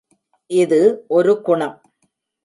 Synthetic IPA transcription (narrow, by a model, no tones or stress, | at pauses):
ʔɪðɯʔɔɾɯkʊɳɐm